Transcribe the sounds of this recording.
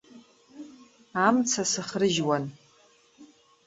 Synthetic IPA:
amt͡sʰasɨχrɨʒwan

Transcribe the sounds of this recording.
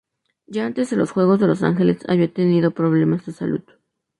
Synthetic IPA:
jaant̪ezðelosxweɣozðelosa̰ŋxelesa̰βiat̪eniðopɾoβlemasd̪esa̰lṵð

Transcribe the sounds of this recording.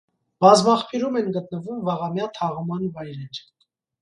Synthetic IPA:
b̥ɑzmɑχpʰiɾumɛnɡət̪nəvumvɑʁɑmjɑt̪ʰɑʁumɑnvɑjɾɛɾ

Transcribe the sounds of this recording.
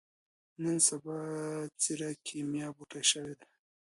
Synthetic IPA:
nənsabɑt͡siɾakʰimjɑbuʈaʃawed̪a

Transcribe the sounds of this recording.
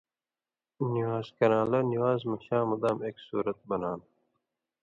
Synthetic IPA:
niwaːzkɐɾãːlɐniwaːzmɐɕãːmɐd̪aːmeːksṵːɾɐt̪̚bɐnaːn

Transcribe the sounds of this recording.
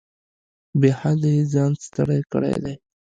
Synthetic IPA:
behad̪əizɑnst̪əɽajkə̰ɽḛjd̪a̰j

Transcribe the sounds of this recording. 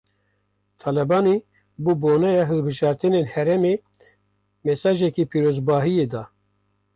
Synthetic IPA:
t̪ʰɑːlɛbɑːniː | buːboːnɛjɑɦɨlbɨʒɑːɾt̪ɨnenhɛɾɛme | mɛsɑːʒɛkiːpʰiːɾoːzbɑːɦijeːd̪ɑː

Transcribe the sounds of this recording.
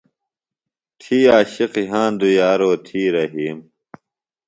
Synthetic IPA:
t̪ʰiːaːɕiqiɦãːnd̪ujaːɾoːt̪ʰiːɾɐɦiːm

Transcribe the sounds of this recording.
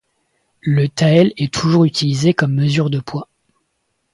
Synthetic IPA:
lət̪aɛlɛt̪ʰuʒuʁyt̪ʰilizekɔmːəzyʁd̪əpʰwa

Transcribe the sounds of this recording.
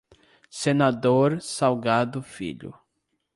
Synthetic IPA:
senad̪oɾsawɡad̪ʊfḭʎʊ̰

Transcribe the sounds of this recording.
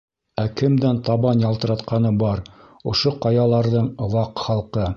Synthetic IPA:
ækɘ̆md̪ænt̪ɑβɑnjɑlˠt̪ɤ̆ɾɑt̪qɑnɤbɑɾ | ŏʃoqɑjɑlˠɑɾðɤɴŏwɑqχɑlˠqɤ

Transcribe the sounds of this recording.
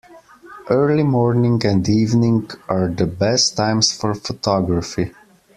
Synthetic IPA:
ʔɜɹlimɔɹnɪ̃ŋɡɛ̃ndiːvnɪ̃ŋɡʔaɹðəbɛstʰːãɪ̃msfɔɹfɔtʰɔɡɹafi

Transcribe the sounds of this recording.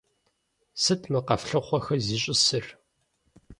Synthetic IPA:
sɨtʰmɨqɐfɬɨχʷɔxɐziːɕʼɪsɨr

